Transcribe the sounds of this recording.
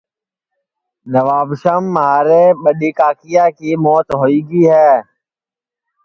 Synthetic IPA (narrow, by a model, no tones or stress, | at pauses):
nəʋaːbʃəmːəɦaːɾeːɓəɗiːkaːkijaːkiːmoːt̪ɦoːiːɡiːɦɛː